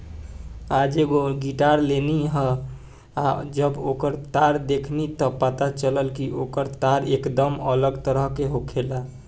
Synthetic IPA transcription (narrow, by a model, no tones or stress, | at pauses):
ad͡ʒeɡoɡiʈaɾleniɦə | ad͡ʒəbokəɾt̪aɾd̪ekʰnit̪əpət̪at͡ʃələlkiʔokəɾt̪aɾekd̪əmələɡt̪əɾəɦkeɦokʰela